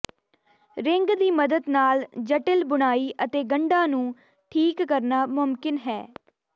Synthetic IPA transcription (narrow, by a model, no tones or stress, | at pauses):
ɾɪŋɡd̪iːməd̪əd̪naːld͡ʒəʈəlbʊɽ̃aːiːʔət̪eːɡəɳɖãːnũː | ʈʰiːkːəɾnaːmʊmkɪnɦɛː